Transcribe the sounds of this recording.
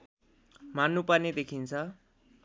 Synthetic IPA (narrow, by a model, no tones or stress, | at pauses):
manːuparned̪ekʰint͡sʰʌ